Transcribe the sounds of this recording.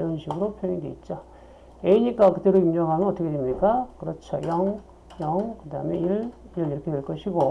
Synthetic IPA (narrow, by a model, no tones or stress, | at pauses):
jonɕʰiɡɯɾopʰjoɲideit̚t͡ɕ͈o | eiɲik͈akɯteɾoimɲʌŋɦamʌnʌt͈ʌkʰedemɲik͈akɯɾʌt͡ɕʰo̰jʌŋ | jʌŋkɯdaɦɯmeiɭiɾʌniɾʌkʰedeɭk͈ʌɕʰiɡo